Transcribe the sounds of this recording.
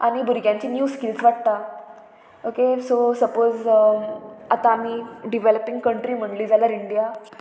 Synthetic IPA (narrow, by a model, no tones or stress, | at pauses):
aɽ̃ibʱuɾɡjãɲt͡ɕiːnjuːskilt͡sʋaʈ̚t̪a | okesosəpoz | at̪aːm̤iːɖiʋɛləpĩŋɡkəɳʈɾiːm̤əɳɖliːd͡zaləɾiɳɖija